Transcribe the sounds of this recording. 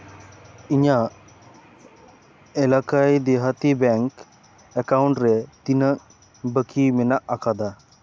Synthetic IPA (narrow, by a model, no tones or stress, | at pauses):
iɲa | ɛlakajd̪ɛɦat̪ibɛŋk | ɛkawuɳʈɾɛt̪inək̚ | bəkʰimɛnaʔakʰad̪a